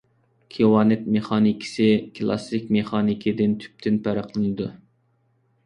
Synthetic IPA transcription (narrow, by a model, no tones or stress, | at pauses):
kʲʰewɑnɪt̪̚meχɑːnikʲʰi̥sɪkʰlˠɑ̰sɪkʲmeχɑːnikʲʰɪd̪ɪnt̪ʰy̥p̚t̪ʰɪnpʰæɾəqlˠɨnɨd̪u